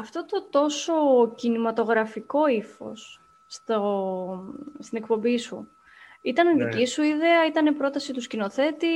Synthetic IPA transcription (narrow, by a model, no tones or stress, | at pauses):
ɐft̪o̞t̪ot̪o̞so̞cinimɐt̪o̞ɣɾɐfiko̞ifo̞̰sː | t̪o | st̪ine̞k̚po̞mbisṵ | it̪ɐniðicisuiðe̞ɐit̪ɐnepɾo̞t̪ɐsit̪uscino̞θe̞t̪i